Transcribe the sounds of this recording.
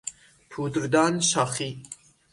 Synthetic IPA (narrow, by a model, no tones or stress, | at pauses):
pʰuːd̪ɾd̪ɑːnʃɑːxi